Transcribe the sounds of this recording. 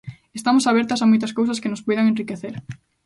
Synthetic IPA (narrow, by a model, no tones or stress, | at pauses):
est̪amʊsaβ̞ɛɾt̪ɐsamojt̪ɐskowsɐskenʊspojðɐŋẽnrikeθeɾ